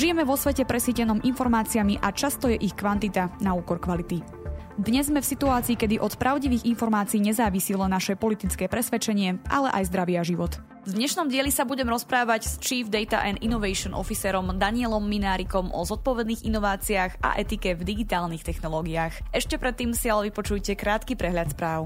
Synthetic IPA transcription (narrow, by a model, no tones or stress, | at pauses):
ʒijɛmɛʋɔsʋɛcɛpɾɛsiːcɛnɔːmʔinfɔɾmaːt͡siamiʔat͡ʃast̪ɔjɛʔixkʋant̪it̪anauːkɔɾkʋalit̪i | d̪ɲɛzmɛfsit̪uaːt͡siːkɛd̪iʔɔt̪pɾʔaʊɟiʋiːɣinfɔɾmaːt͡siːɲɛzaːʋisiːlɛnːaʃɛpɔlit̪it͡skɛːpɾɛsʋɛt͡ʃɛɲɪɛʔa̰lɛʔa̰jzd̪ɾaʋɪaʒiʋɔt̪ | vd̪ɲɛʃnɔmɟɪɛʎisabuɟɛmɾɔspɾaːʋacst͡ʃiːvd̪ɛjt̪a̰ʔɛninɔʋɛjʃɔnʔɔ̰fisɛːɾɔmd̪aɲɪɛlɔmːinaːɾikɔmɔ̰zɔt̪̚pɔʋɛd̪niːɣinɔʋaːt͡siaxa̰ʔɛt̪ikɛvd̪iɡit̪aːlnixt̪ɛxnɔlɔːɡiaːxɛʃcɛpɾɛt̪ːiːmsialɛʋipɔt͡ʃujcɛkɾaːt̪kipɾɛɦʎat̪spɾaːʊ